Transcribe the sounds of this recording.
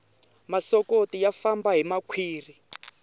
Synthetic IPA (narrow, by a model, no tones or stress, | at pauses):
masɔkotijafambaɦimakʰwiːri